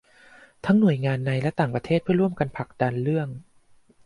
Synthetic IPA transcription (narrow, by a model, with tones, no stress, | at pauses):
t̪ʰa˦˥ŋnu˨˩əjŋaː˧nːa˧jlɛ˦˥t̪aː˨˩ŋpɾa˧t̪ʰeː˥˩t̪̚pʰɯ˥˩əɾu˥˩əmka˧npʰa˨˩k̚da˧nlɯ˥˩əŋ